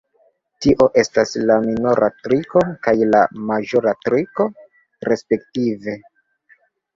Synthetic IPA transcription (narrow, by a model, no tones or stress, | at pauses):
tiʔo̞ʔe̞staslaminoɾʔatɾiko̞kajlamaʒo̞ɾatɾiko̞ | ɾe̞spe̞ktive̞